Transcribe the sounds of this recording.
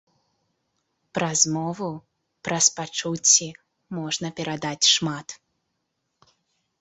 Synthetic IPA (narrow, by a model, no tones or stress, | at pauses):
pɾɐzmɔvu | pɾɐspat͡ʂut͡sʲːi | mɔʐnɐpʲɛɾad̪at͡sʲʂmat̪